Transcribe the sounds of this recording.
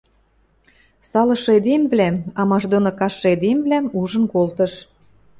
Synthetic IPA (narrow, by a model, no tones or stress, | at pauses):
sɑlɤ̆ʃed̪emblæmɑmɑʒd̪onokɑʃed̪emβlæmuʒə̆nkolt̪ə̆ʃ